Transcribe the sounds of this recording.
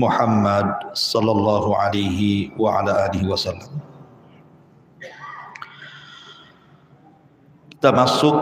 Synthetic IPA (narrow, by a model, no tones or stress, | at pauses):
mʊħamːad̪̚sˤɑlːɑlˤːɑːɦʊʕalajɦɪwaʕa̰laːʔaːlɪɦiwasalːam | t̪amasːʊk